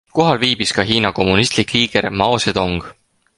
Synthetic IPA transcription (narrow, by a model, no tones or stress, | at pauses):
koɦɑlviːb̥iskɑɦiːnɑko̞mːunist̪likliːɡ̥ermɑosed̪̥o̞ŋɡ̥